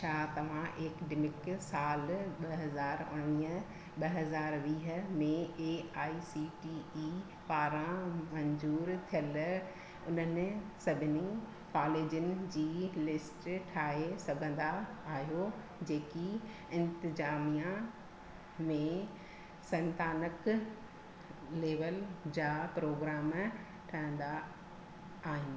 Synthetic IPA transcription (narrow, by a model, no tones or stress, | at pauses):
ʃaːt̪ɐʋ̤ãʔekɖɪmɪksaːlɓɐɦɐzaːɾʊɽɽ̃iːə | ɓɐɦɐzaːɾʋiːɦə̆mẽeːaːisiʈiːi | paːɾãmɐ̃ɲzuːɾt̪ʰijəl | ʊn̤ənɪ̆sɐbʱɪni | kaːleːd͡ʑʊnɪ̆d͡ʑiːlɪsʈʈʰaːɦesɐɡʱə̃nd̪aːɦijo | d͡ʑeːki | ɪ̃nt̪ɪzaːmijã | mẽ | sɐ̃nt̪aːnək | leːʋəld͡ʑaːpɾoːɡɾaːm | ʈʰaːɦə̃nd̪aː | ɦɪ̃n